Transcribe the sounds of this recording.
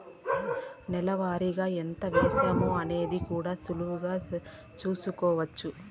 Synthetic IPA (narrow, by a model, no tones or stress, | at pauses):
nɛlɐʋaːɾiɡaːent̪ɐʋeːʃeːmoːɐne̞ːd̪ikuːɽaːsuluʋuɡaː | t͡ʃuːsukɔːʋɐt͡ʃːu